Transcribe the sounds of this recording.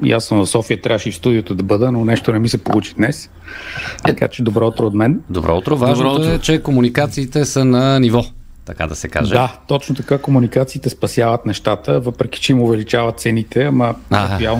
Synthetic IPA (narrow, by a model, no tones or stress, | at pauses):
ja̰smvɐfsɔfijət̪ɾʲavəʃifst̪ud̪ijot̪od̪ɐbɤd̪ənonɛʃt̪onɛmisɛpolˠut͡ʃi̥d̪nɛs | ɐka̰t͡ʃɛd̪obɾɔot̪ɾoːt̪mɛnd̪obɾɔ̰ot̪ɾovaʒnoɛt͡ʃɛkomunikat̪siːt̪ɛsənɐnivɔ | t̪ɐka̰d̪ɐsɛka̰ʒɛ̰d̪at̪ɔt͡ʃnot̪ɐkakomunikat̪siːt̪ɛspɐsjavət̪nɛʃt̪at̪əvɤpɾɛk̟i̥t͡ʃɛimʊvɛlit͡ʃavət̪t̪sɛnit̪ʰɛaməaɦpialˠ